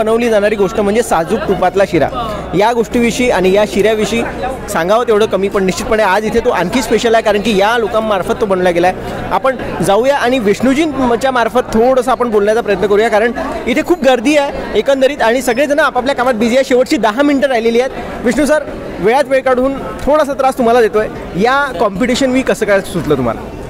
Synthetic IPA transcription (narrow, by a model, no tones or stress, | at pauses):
ənəʋliːd͡zaɽ̃aɾiːɡoʂʈəm̤əɳd͡zesad͡zuːk̚ʈ̪upat̪laɕiɾa̰ | jaɡoʂʈiːʋiʂiːaɽ̃ijaɕiɾjaʋiʂiːsãŋɡaʋət̪eʋɽ̤əkəmiːpəɳniɕt͡ɕit̪̚pəɳead͡zit̪ʰet̪oʔãŋkʰiːspeɕəlaɦekaɾəɳkiːjalokãmːaɾfət̪ːobənʋljaɡelae | apəɳd͡zaujaʔaɽ̃iʋiʂnud͡ʑiːnət͡ɕjamaɾfət̪ʰːoɽəsaːpəɳbolɳjat͡sapɾəjət̪nəkəɾuːjakaɾəɳit̪ʰekʰuːp̚ɡəɾd̪iːaekənd̪əɾiːt̪aɽ̃isəɡɭed͡zənaːpap̬ljakamat̪̚bid͡ʑiaɕeʋəʈɕiːd̪aɦaminiʈəɾajleliːet̪ | ʋiʂɳus̬aɾ | ʋeɭat͡sʋeɭkaɽ̤uːnt̪ʰoɽas̬at̪əɾast̪um̤alad̪et̪oje | jakɔmpiʈiɕənʋiːkəsəːkasud̪ləːt̪um̤a̰la̰